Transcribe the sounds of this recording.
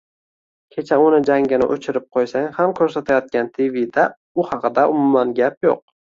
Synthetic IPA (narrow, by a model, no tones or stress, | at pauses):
kʲʰe̞t͡ʃʰaʊnɪd͡ʒaŋʲɪnɪ̰ʔot͡ʃʰɪɾɪp̚qʰojsaŋhamkʲʰɵɾsat̪ʰajɒt̪̚kʲant̪ʰivid̪a | ʊhɑqʰɨd̪aʔʊmʊmːanɡʲapjo̰q̚